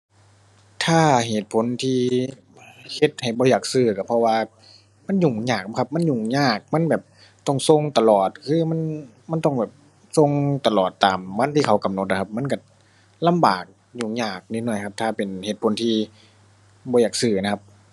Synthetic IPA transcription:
t̪ʰaː˧˩ɦeː˨˩t̪̚pʰo˨˦nt̪ʰiː˧ | he˧t̪̚ha˨˩jbɔː˧˦jaː˨˩k̚sɯː˧˩ka˧˩pʰɔ˧waː˧ | ma˧˥˨nɲuː˨˩ŋɲaː˧˩k̚kʰa˧˥p̚ma˧˥˨nɲuː˨˩ŋɲaː˧˩k̚ma˧˥˨nbɛː˨˩p̚ | t̪ɔ˧˩ŋso˧˨ŋt̪a˧lɔː˨˩t̪̚kʰɯː˧˨ma˧˥˨n | ma˧˥˨nt̪ɔ˧˩ŋbɛː˨˩p̚ | so˧˨ŋt̪a˧lɔː˨˩t̪ːaː˨mwa˧˥nt̪ʰiː˧kʰa˧˩˦wka˨mno˧t̪̚ʔa˧kʰa˧p̚ma˧˥˨nka˧˩ | la˧˥˨mbaː˨˩k̚ | ɲuː˧˨˩ŋɲaː˧˩k̚ni˧˩nɔ˧˩jkʰa˧˥p̚t̪ʰaː˧˩pe˨˩nheː˨˩t̪̚pʰo˨˦nt̪ʰiː˧ | bɔː˧˦jaː˨˩k̚sɯː˧˩na˧kʰa˧p̚

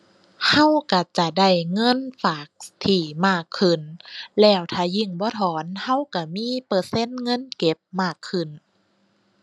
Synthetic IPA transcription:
ha˧˥˨wka˧˩t͡ɕa˧˩da˧˩jŋɤ˧˥˨nfaː˨˩k̚t̪ʰiː˧˩maː˧˥˩kʰːɯ˧˩nlɛː˧˩wt̪ʰaː˧˩ji˧˥˩ŋbɔː˧˦t̪ʰɔː˨˦nha˧˥˨wka˧˩miː˧˥˨pɤː˧se˧˥˨nŋɤ˧˥˨nke˧˦p̚maː˧˩kʰːɯ˧˨˩n

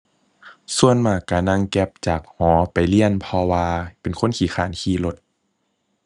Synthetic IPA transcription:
su˧ənmaː˧˩kːa˧˩na˧˨ŋkɛ˧p̚t͡ɕaː˨˩k̚hɔː˨˦pa˨˩jli˧˨ənpʰɔ˧waː˧pe˨˩nkʰo˧˥˨nkʰiː˧˦xʰaː˨˩˦nkʰiː˧˨lo˧˦t̪̚

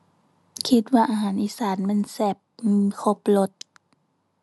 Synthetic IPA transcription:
kʰi˧t̪̚waː˧ʔaː˧ɦaː˨˦nʔiː˧˨saː˨˦nmɛ˧˥˨nsɛː˧˩p̚kʰo˧˦p̚lo˧˦t̪̚

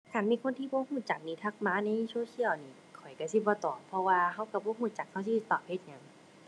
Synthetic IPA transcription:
kʰa˧˩˨nmiː˧˥˨kʰo˧˥nt̪ʰiː˧˨bɔː˧˦huː˧˩˨t͡ɕa˨˩k̚niː˧˩t̪ʰa˧˩k̚maː˧˥na˧˩jsoː˧˨kʰi˧˨əwniː˧˩ | kʰɔ˨˩jka˧˩si˧˦bɔː˧˦t̪ɔː˨˩pʰɔ˧waː˧ɦa˧˩wka˧˩bɔː˧˦ɦuː˧˥˩t͡ɕa˨˧˦k̚ha˧˩˨s̬i˧t̪ːɔː˨˩p̚he˧t̪̚ɲa˧˩ŋ

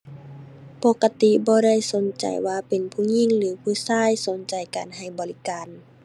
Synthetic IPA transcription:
po˧ka˧˦t̪i˧˨bɔː˧˦ɾa˥˩jso˨˦nt͡ɕa̰˨˩jwaː˧pe˨npʰuː˧˩ɲi˧˥˨ŋlɯː˨˦pʰuː˧˩saː˧˥˨jso˨˦nt͡ɕa˨˩jka̰ː˨˩nɦa˨˩jbɔː˨li˦kaː˨n

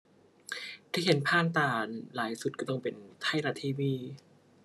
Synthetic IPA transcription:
t̪ʰiː˧˩he˨˩˦npʰaː˥˩nt̪aː˨˩nlaː˨˩˦jsu˨˩t̪̚ka˧˩t̪ɔ˥˩ŋpe˨˩nt̪ʰa˥˩jɾa˧˩t̪ʰiː˧˩wiː˧˩

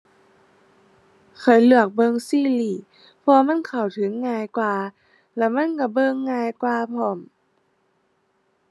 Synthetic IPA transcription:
kʰa˨˩jlɯ˧˩ək̚bɤ˧˨ŋsiː˧˩˨liː˧˩ | pʰɔː˧ma˧˥˨nkʰa˨˩wt̪ʰɯ˨˦ŋːaː˧˩jkwaː˧˩ | lɛ˧˩ma˧˥˨nka˧˩bɤː˧˨ŋːaː˧˨jkwaː˧pʰɔ˧˩m

